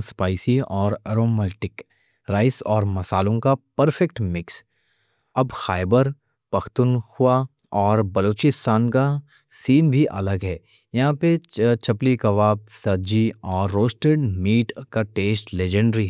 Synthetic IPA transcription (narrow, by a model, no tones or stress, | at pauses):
spaːɪsiɔːɾɛɾoːmɛːʈɪk | ɾaːɪsɔːɾmɐsaːlõkapɐɾfɛkʈmɪks | ɐbxaːɪbəɾ | pɐkʰt̪ʊnxʊwa | ɔːɾbɐloːt͡ʃɪst̪ʰaːnka | siːnbʱiʔɐ̰ləɡɦɛː | jɐɦãpet͡ʃɐplikɐʋaːb̚sɐd͡ʒiɔːɾːoːsʈeɖmiːʈkaʈeːsʈleːd͡ʒə̃ɳɖɾiɦɛ